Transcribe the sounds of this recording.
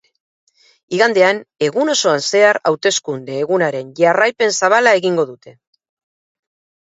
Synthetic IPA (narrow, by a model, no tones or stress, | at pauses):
iɣand̪e̞ane̞ɣuno̞so̞anse̞aɾa̰wt̪e̞skund̪e̞ːɣunaɾe̞nʝarajpe̞nsaβalae̞ɣiŋɡo̞ðut̪e̞